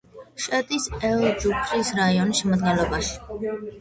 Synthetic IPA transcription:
ʃɛt̪ʼisɛlˠd͡ʒukʰʼɾisɾaiɔnisʃɛmad̪̚ɡɛnlɔbaʃi̥

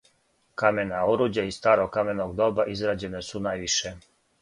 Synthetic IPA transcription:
kamenaoɾud͡ʑaist̪aːɾoɡkːamenoɡd̪o̞baʔizɾaːd͡ʑe̞nesunaːjʋiʃe

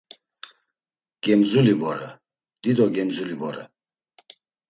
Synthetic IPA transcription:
ɡ̥ɛmzulivɔɾɛ | d̪̥id̪ɔɡɛmzulivɔɾɛ̰

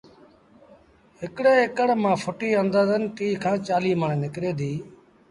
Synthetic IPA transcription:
ɦɪkɽeːɪkəɽmãːfʰʊʈiːənd̪aːzənʈiːkʰãːt͡ʃaːliːməɳnɪkɾeːd̪iː

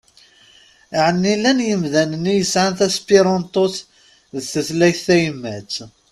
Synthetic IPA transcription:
ʕənːilænjəmðænənːijəsʕanθæspiɾˤɑnt̪ˤoθ | ðθəθlæjθæjmːæt͡sː

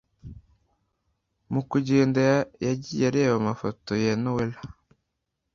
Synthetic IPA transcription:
mukuɟeːndajaɟijaɾewamafotojenowela

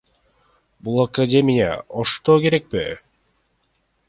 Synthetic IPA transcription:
bulˠakadʲe̞mʲɪja̰ʔoʃt̪oːke̞ɾek̚pɪ

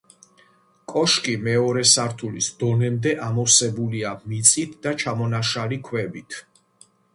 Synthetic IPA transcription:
kʼɔʃkʼimɛɔɾɛsaɾt̪ʰulisd̪ɔnɛmd̪ɛʔamɔfsɛbuliamit̪sʼit̪ʰd̪at͡ʃʰamɔnaʃalikʰwɛbit̪ʰ

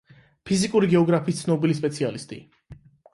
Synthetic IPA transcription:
pʰizikʼuɾiɡɛɔɡɾapʰiːst̪sʰnɔbilispʼɛt̪sʰialist̪ʼḭ

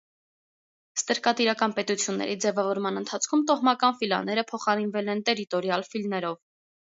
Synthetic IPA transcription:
st̪əɾkɑt̪iɾɑkɑnpɛt̪ut͡sʰjunːɛ̰ɾʔid͡zɛvɑvɔɾmɑnənt̪ʰɑt͡sʰkʰumt̪ɔhmɑkɑnfilɑ̰nːɛɾəpʰɔχɑɾinvɛlɛnt̪ɛɾit̪ɔɾjɑlfilnɛɾɔv

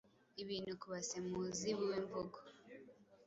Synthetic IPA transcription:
iβiːnukuβasemuːziβuweːmboɡo

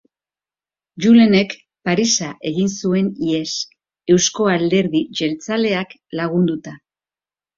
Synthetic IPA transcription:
d͡ʒule̞ne̞k | paɾisaʔe̞ɣinsue̞nie̞s | e̞wsko̞ald̪e̞ɾðiʝe̞lt͡sale̞ak | laɣ̞und̪ut̪a

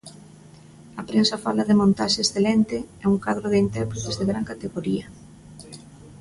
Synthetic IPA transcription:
ɐpɾensafalaðɪmõnt̪aʃeesθelɛnt̪ɪɛuŋkaðɾoðɪint̪ɛɾpɾet̪ezðeɣɾaŋkat̪eɣoɾiɐ

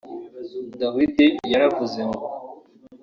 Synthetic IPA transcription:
d̪awid̪ejaɾavuzemo

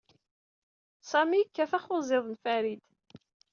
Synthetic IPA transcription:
sæmikːæfæχʊzˤɪðˤnfæɾid̪

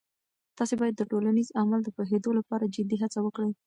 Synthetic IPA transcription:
t̪ɑsebɑjad̪ːəʈolanizamald̪əpoɦed̪olapɑɾad͡ʒɪd̪iɦat͡sawəkɽi

